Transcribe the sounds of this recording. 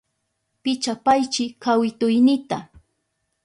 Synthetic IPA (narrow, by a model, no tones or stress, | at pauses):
pɪt͡ʃapajt͡ʃɪkawɪt̪ʊjnɪt̪a